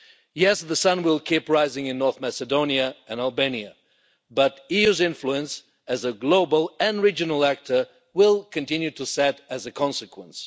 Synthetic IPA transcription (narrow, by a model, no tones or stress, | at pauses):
jɛsðəsʌ̃nwɪlˠkʰipɹaɪzɪ̃ŋɨ̃nːɔɹθmæsɨdõʊ̃niɨɨ̃nælˠbẽɪ̃niɨ | bʌɾiʉzɪ̃ɱfluɨ̃ns | ɨzəɡloʊbəl̩ˠɨ̃nɹid͡ʒɨnl̩ˠæk̚tʰə˞ | wɪlˠkʰɨ̃ntɪ̃njʉtɨsɛɾɨzɨkʰɑ̃nsɨkʰwə̃ns